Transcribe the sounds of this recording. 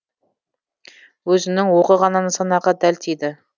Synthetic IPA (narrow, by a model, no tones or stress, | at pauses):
wɵzɪnɪŋwoqəʁɑnɑnəsɑnɑʁɑd̪ælt̪ʰed̪ɪ